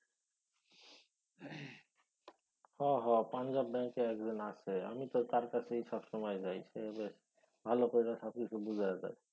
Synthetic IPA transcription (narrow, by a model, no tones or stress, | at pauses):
hɔɦɔpand͡ʑabbɛŋkeɛkd̪inat͡ɕʰea̰mit̪ot̪aɾkat͡ɕʰeejʃɔbʃɔmɔjd͡ʑajʃebeʃ | bʱalokoɾilaʃɔb̚kit͡ɕʰubud͡ʑʱajaza̰j